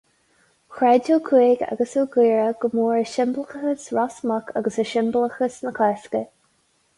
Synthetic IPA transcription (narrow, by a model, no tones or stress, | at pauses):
xɹɛdukʰiːɡa̰ɡəsuɡiːɹəɡ̥əmuːɹəʃɪmbləxəxəsɹasməkʰaɡəsəʃɪmbləxəsnəkʰɛːskə